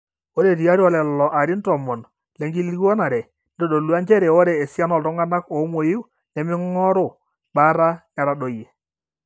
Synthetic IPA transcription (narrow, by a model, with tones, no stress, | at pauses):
o˦ɾe˨ti˨a˦ɾɔ˨lɛ˨lɔ˨ʔa˨ɾɪ˦ntɔ˨mɔ˨n | lɛ˨˦ŋɡi˦lɡɔ˦na˨ɾɛ˨ | n˦dɔ˨do˨lu˦a˦nd͡ʒɛ˦ɾɛ˨o˦ɾɛː˨sja˦nɔ˨ltɔ˦ŋa˦na˦ko˨˦mwo˨jɪ˦ | nɛ˨mɪ˦ŋɔ˦ɾʊ˦˨ | ɓa˦ɾa˦ɲa˨ɾa˨ɗo˨je˨